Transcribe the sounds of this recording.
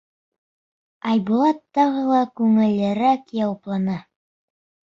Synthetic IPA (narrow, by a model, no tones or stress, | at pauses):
ɑjbulˠɑt̪ːɑʁɤlˠɑkʉŋɘ̆lɘ̆ɾækjɑwɑplˠɑnɑ